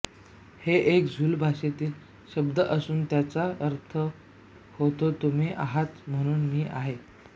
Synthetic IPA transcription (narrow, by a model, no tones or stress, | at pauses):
heʔekd͡zʱuːlbʱaɕet̪iːl | ɕəb̚d̪əʔəsuːnt̪jat͡saəɾt̪ʰə | hot̪ot̪um̤iːʔa̰ɦat̪m̤əɽ̃uːnmiːʔaɦe